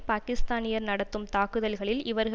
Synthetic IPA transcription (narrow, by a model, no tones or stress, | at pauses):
paːkɪst̪aːnɪjɐɾnɐɽɐt̪ːɯmt̪aːkɯðɐlɣɐɭɪlɪʋɐɾɣ